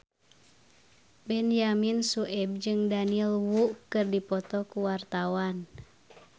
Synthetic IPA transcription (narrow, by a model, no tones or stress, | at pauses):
bɛnjaminsuʔɛb̚d͡ʒɨŋdaniɛlwuʔkɨrdipɔt̪ɔkuwart̪awan